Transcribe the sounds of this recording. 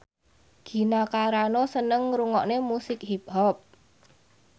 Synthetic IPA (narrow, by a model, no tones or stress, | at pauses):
ɡ̥i̤nakaɾanosənəŋɾuŋɔʔnemusɪkɦip̚ɦɔp̚